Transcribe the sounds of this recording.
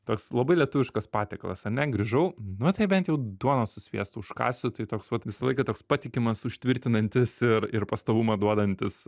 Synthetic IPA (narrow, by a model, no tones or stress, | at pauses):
t̪oːkslˠɐbɐɪlʲiɛt̪ʊʋʲɪʃkɐspɑːt̪ʲeklˠɐ̰sɐɾnʲɛɡɾʲɪʒɐʊnʊt̪ɐɪbʲɛnt̪jɛʊd̪uɔnoːsʊsʲʋʲḭɛst̪ʊʊʃkɑ̰ːsʲʊt̪ɐɪt̪oːksʋɐt̪ʋʲɪsɐlˠɐɪkɐt̪oːkspɑːt̪ʲɪkʲɪmɐsʊʃʲt̪ʲʋʲɪɾʲt̪ʲɪnɐnʲt̪ʲɪsɪrɪrpɐst̪oːʋumɐd̪uɔd̪ɐnʲt̪ʲɪs